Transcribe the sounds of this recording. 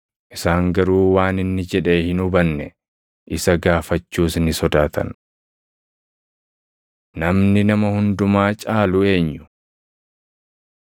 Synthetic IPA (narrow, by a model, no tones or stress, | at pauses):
ʔɪsaːŋɡɐɾuːwaːnɪnːɪd͡ʒɛᶑe̞ːhɪnʊbɐnːɛ | ʔɪsɐɡaːfɐt͡ʃːuːsnɪsɔd̪aːt̪ʰɐ̰n | nɐmnɪnɐmɐhʊnd̪ʊmaːt͡ʃʼaːlʊe̞ːɲːʊ̥